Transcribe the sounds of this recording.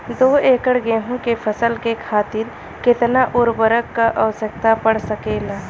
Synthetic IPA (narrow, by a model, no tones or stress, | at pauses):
d̪oːeːkəɽɡeːɦũkepʰəsəlkekʰaːt̪ɪɾ | kɪt̪naʔʊɾbəɾəkːaʔəʋsək̚t̪apəɽ̤səkeːlaː